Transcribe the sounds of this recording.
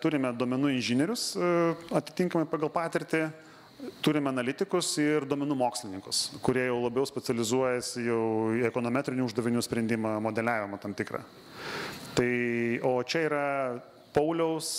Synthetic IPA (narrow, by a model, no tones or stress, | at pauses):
t̪ʊɾʲɪmʲɛd̪oɔmʲɛnuːɪnʲʒʲɪnʲɛɾʲʊsɐt̪ʲɪ̥t̪ʲɪŋkɐmɐɪpɑːɡɐlˠpɑːt̪ʲɪɾʲt̪ʲɪ | t̪ʊɾʲɪmʲɛɐnɐlʲɪt̪ʲɪkʊsɪrd̪oɔmʲɛnuːmoːksʲlʲɪnʲɪŋkʊskʊɾʲiɛjɛʊlˠɐbʲɛʊsʲpʲɛt͡s̪ʲɛlʲɪzuɔjɛsʲɪjɛʊɛkoːnoːmʲæːt̪ʲɾʲɪnʲuʊʒd̪ɐʋʲɪnʲuːsʲpʲɾʲɛnd̪ʲɪmɐmoːd̪ʲɛlʲæːʋʲɪmɐt̪ɐmt̪ʲɪkɾɑ̰ː | t̪ɐɪoːt͡ʃʲɛiːɾɐ | pɐʊlʲɛʊs